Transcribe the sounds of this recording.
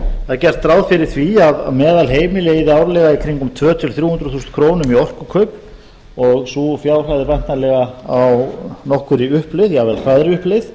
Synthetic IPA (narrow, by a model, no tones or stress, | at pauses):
θaðcɛr̥t̪ːɾaːwðfɪɾɪɾ̥θviaða̰mɛːðalɦeːjmɪlɪiðaːwɾlɛɣaikʰɾiŋkʏmt̪ʰvœːt̪ʰɪlθɾjuːhʏnd̪ɾɔθust̪kʰɾoːwnʏmiɔr̥kʏkʰœɥp | ɔɣsufjaːwr̥haðɪpajnt̪nalɛɣaawnɔhkʏɾiʏhplɪðjɛavɛɾfʰɾaðɾɪʏhplɪθ